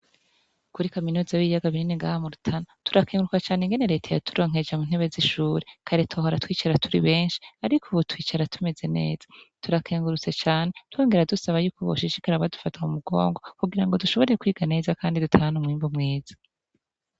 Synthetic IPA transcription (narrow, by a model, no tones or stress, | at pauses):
kuɾikaminuːzajiːjaɡaβininiŋɡahamuɾutʰanatu̥ɾakeːŋɡuɾukat͡ʃaːneŋɡe̞neɾe̞ːtʰajatʰuɾo̞ːŋ̥e̞d͡ʒamun̥he̞βe̞ziʃuːɾekʰaɾetʰoɦoɾatwiːt͡ʃaɾatʰuɾiβe̞ːnʃi̥aɾikʰuβutwiːt͡ʃaɾatʰume̞ze̞ne̞̰ːzḁtuɾakʰeːŋɡuɾut͡set͡ʃaːne̞two̞ːŋɡe̞ɾadusaβajuːkoβoʃiʃikaɾaβadufataumuɡo̰ːŋɡo̞kuɡiɾaŋɡo̞duʃo̞βo̞ɾejekwiːɡane̞ːzakaːndidutʰaanumŋiːmbumŋeːz̥ḁ